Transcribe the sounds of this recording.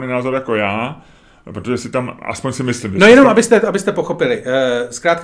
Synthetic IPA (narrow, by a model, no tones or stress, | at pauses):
niːnaːzoɾjako̞jaː | pɾot̪oʒɛsɪt̪ama̰spoɲsɪmɪslimʒɛnojɛnomabɪst̪ɛabɪst̪ɛpoxo̞pɪlɪʔskɾaːt̪k